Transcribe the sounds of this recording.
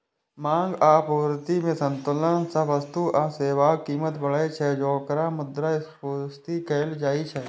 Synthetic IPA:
mãːŋɡaːpəʋɾt̪imẽsə̃nt̪ʊlənsəbəst̪uʔaːseːʋaːkiːmət̪bəɭaet͡ʃʰɛd͡ʒɔːkɾamʊd̪ɾaɪs | oːst̪ikeːld͡ʒaːit͡ʃʰɛː

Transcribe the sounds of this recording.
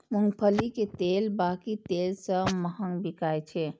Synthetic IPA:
muŋɡpʰəliket̪elbakit̪elsə̃məɦəŋbikajt͡ʃʰɛ

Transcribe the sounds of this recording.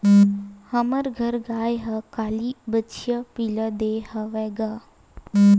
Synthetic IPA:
həməɾɡʱəɾɡaːjɦəkaːlibət͡ʃʰijəpiləd̪ehəʋɛːɡaː

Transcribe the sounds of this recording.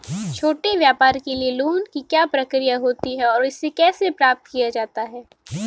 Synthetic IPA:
t͡ʃʰoːʈeʋjaːpaːɾkelieluːnkikjaːpɾɐkɾijaɦoːt̪iɦɛɔːɾɪsːekɛːsepɾaːp̚t̪kijad͡ʒaːt̪aɦɛː

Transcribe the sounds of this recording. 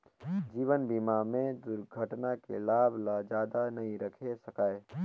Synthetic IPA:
d͡ʒiːʋənbiːmamẽd̪ʊɾɡʱəʈnakḛlaːbʱlad͡ʒjaːd̪anɐɦĩɾɐkʰesɐkaːe

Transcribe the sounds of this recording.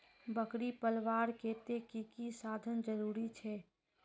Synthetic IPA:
bəkɽipəlʋaːɾkeːt̪ekikisaːd̪ʱənd͡ʒəɾuːɾit͡ʃʰɛː

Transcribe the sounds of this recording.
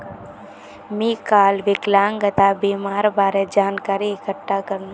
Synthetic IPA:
miːkaːlʋɪklaːŋɡət̪abimaːɾbaːɾed͡ʒaːnkaːɾiɪkəʈːakəɾn

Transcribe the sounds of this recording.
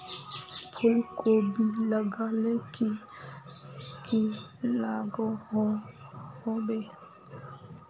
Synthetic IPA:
pʰʊlkobʱiləɡaleki | kilaːɡo | hoːbeː

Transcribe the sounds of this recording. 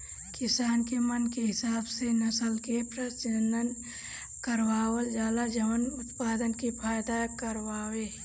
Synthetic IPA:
kɪsaːnkemənkeɦɪsaːbsenɐsəlkepɾət͡ʃɪnd̪ən | kəɾwaːwəld͡ʒaːlad͡ʒɐʋənʊt̪paːd̪ənkipʰaːjd̪aːjkəɾwaːweː

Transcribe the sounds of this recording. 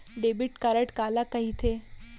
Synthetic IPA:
ɖebiʈkaɾəʈkalakəɦit̪ʰe

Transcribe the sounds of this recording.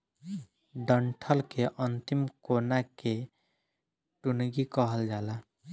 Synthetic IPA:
ɖəɳʈʰəlkeʔənt̪imkonake | ʈunɡikəɦəld͡ʒala

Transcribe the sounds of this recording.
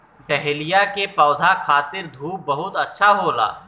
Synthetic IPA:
ɖɛɦlijakepɔːd̪ʱakʰaːt̪ɪɾd̪ʱuːp̚bɐɦʊt̪ɐtːʃʰaɦoːla̰ː

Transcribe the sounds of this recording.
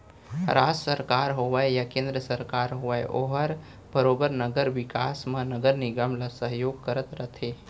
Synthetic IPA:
ɾaːd͡ʒsəɾkaːɾɦoʋaejakẽːnd̪ɾəsəɾkaːɾɦoʋaeʔoɦəɾ | b̥əɾoːbəɾnɐɡəɾʋɪkaːsmãnɐɡəɾniɡəmlasəɦjoːɡ̚kɐɾət̪ɾɐt̪ʰeː

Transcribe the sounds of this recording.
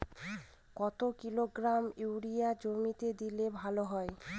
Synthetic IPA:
kɔt̪okiloɡɾamuwɾijad͡ʑomit̪ed̪ilebʱaloɦɔe

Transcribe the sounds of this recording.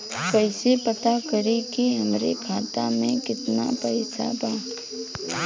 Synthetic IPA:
pəɪsepɐt̪akɐɾekiɦɐmɾḛkʰaːt̪amẽkɪt̪na̰pɐɪsa̰baː

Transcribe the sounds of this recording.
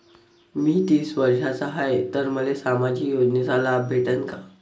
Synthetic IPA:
miːt̪iːsʋəɾʂat͡saɦajt̪əɾməlesamad͡ʑiːkjod͡ʑnesalabʱeʈəŋka

